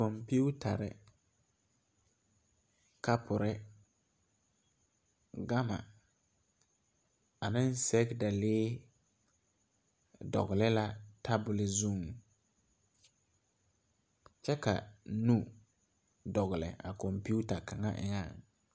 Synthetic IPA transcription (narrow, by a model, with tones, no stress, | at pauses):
kɔ˨mpi˦u˦tʰa˨ɾɪ̰˨ | ka˦pʰʊ˨ɾɪ˦ | ɡa˦ma̰˨ | a˨nɪ˦n˦sɛ˦kda˨leː˦ | dɔ̰˨ɣɪ˨lɛ˦la˦tʰa˦bʊ˨lɪ˨zu˦˨m | t͡ʃɛ˦ka̰˨nu˦ | dɔ˨ɣʊ˨lɛ̰˨ʔa̰˨kɔ˨mpi˦u˦ta˨ka˨ŋa̰˦ʔɪ̰˦ŋa˦˨ŋ